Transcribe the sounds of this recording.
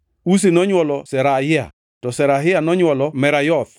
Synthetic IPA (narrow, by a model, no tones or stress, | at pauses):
us̬enɔɲwɔlɔsɛɾaɪa̰ | tɔsɛɾaɦɪanɔɲwɔlɔmɛɾajɔt̪̚